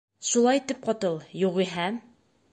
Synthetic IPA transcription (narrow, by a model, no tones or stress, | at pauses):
ʃulˠɑjt̪ɘp̚qɒt̪ɤlˠjuʁiɦæm